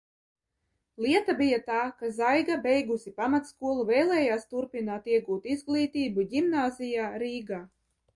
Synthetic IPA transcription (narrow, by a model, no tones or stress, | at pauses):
lˠiɛt̪abijat̪aːkazajɡabɛjɡusipamat̪skuɔlˠuvɛːjlˠɛːjaːst̪uɾpʲinaːt̪iɛɡuːt̪izɡlˠiːt̪iːbuɟʲimnaːzʲijaːɾiːɡaː